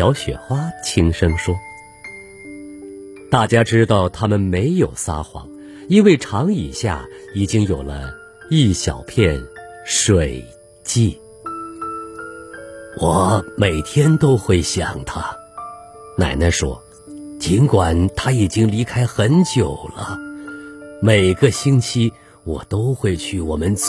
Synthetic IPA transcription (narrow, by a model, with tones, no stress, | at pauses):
ɑ˧˥ʊɕɥɛ̰˨˩xwa˥t͡ɕʰi˥ŋʂɤ˥ŋʂwɔ˥ | t̪a˥˩t͡ɕja˥ʈ͡ʂɻ̩˥t̪ɑ˥˩ʊt̪ʰa˥mə˨nme˧˥ɪjo˨˩ʊsa̰˥xwɑ̰˧˥ŋ | i˥nwe˥˩ɪʈ͡ʂʰɑ˧˥ŋi˨˩ɕja̰˥˩i˨˩t͡ɕi˥ŋjo˨˩ʊlə̰˦ | i˥˩ɕjɑ̰˨˩ʊpʰjɛ˥˩n | ʂwe˨˩ɪ | t͡ɕi˥˩ | wɔ˨˩˦me˨˩ɪt̪ʰjɛ˥nt̪o˥ʊxwe˥˩ɪɕjɑ˨˩ŋt̪ʰa˥ | na̰˨˩ɪna˥˩ʂwɔ̰˥ | t͡ɕi˧˥nkwa˨˩nt̪ʰa˥i˨˩t͡ɕi˥ŋli˧˥kʰa˥ɪxə˧˥nt͡ɕjo˨˩ʊlə˦ | me˨˩ɪɡə˧ɕi˥ŋt͡ɕʰi˥ | wɔ˨˩t̪o˥ʊxwe˥˧ɪt͡ɕʰy˥˩wɔ˨˩mə˦nt͡s